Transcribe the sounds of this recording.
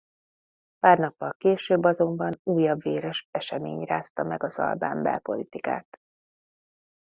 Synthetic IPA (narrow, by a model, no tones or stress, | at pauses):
paːrnɒpːɒlkeːʃøːbːɒzo̞mbɒnuːjːɒbʋeːɾɛʃɛʃɛmḛːɲraːst̪ɒmɛɡɒzɒ̰lbaːmbɛ̰lpo̞̰lit̪ika̰ːt̪